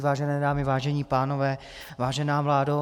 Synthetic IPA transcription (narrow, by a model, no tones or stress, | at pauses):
vaːʒɛnɛːdaːmɪvaːʒɛɲiːpaːnovɛː | vaːʒɛnaːvlaːdo